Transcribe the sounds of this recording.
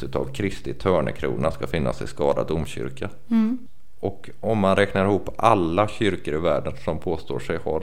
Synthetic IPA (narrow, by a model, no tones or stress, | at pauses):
ʉt̪a̰vkʰɾɪst̪ɪt̪ʰœːɳə̰kʰɾṵːnaskafɪnːa̰sɪ̰skɑːd̪ad̪ʊmɕʏ̰ɾkʰa | ʔɔk | ɔmːanɾɛknaɾɪhuːpːalːaɕʏɾkəɾɪvæːɖənsɔmpʰoːst̪o̰ːʂɛjha̰ɾ